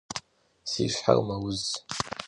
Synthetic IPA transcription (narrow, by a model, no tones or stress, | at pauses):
siʃʷħa̰rmawʊz